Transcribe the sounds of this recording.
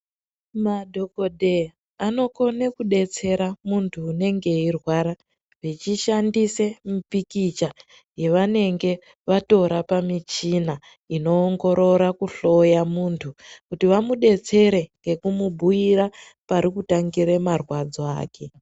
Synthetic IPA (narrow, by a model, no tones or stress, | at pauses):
madʱo̞kodʱe̞ | ano̞ko̞nekuɗe̞t͡se̞ɾamuntʰuːne̞ŋɡe̞irwaɾa | ʋet͡ʃiʃandise̞mupikit͡ʃa | je̞ʋane̞ŋɡe̞ | ʋato̞ɾapamit͡ʃina | ino̞ːŋɡo̞ɾo̞ɾakuɬo̞jamuntʰukutiʋamuɗe̞t͡se̞ɾe̞ŋɡe̞kumubʱuiɾa | paɾikutaŋɡiɾe̞marwad͡zoa̰ːke̞